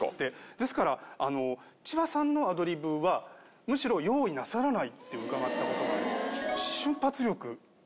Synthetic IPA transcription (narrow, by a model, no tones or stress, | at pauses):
t̪ːe̞d̪e̞sɨ̥kaɾaano̞ | t͡ɕibasãnːo̞ad̪o̞ɾʲibɯ̟βa | mɯ̟ɕiɾo̞jo̞ːinasaɾanait̪ːe̞ɯ̟kaɡat̪ːako̞t̪o̞ɡaaɾʲimasɨ̥ɕɨ̃mpat͡sɨɾʲo̞kɯ̟